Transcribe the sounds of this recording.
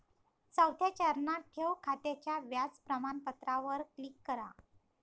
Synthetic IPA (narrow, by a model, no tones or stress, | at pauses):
t͡səwt̪jat͡ɕəɾnaʈʰewkʰat̪et͡ɕjaʋjat͡spɾəmanpət̪ɾaʋəɾklikːəɾa̰